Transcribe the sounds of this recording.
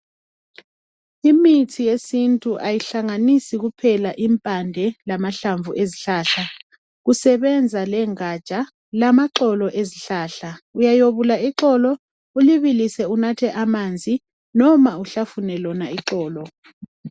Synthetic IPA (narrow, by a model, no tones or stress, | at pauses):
imitʰijesintʼuʔajiɬaŋanisiɣupʰɛlaʔimpʼandʱɛlamaɬaɱvʱuʔeziɬaːɬa | ɣusɛβɛnd͡zʱalɛŋat͡ʃʼa | lamaǁɔlɔʔeziɬaːɬaujajoβulaiǁɔlɔ | uliβilisɛunatʰɛʔamand͡zʱi | nɔmauɬafunɛlɔnaiǁɔːlɔ